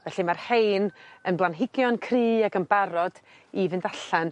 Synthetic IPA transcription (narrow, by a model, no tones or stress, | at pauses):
vɛɬimarhejnənblˠanɦɪɡjɔnkʰriːaɡənbaɾɔd̥ | ivɨndaɬan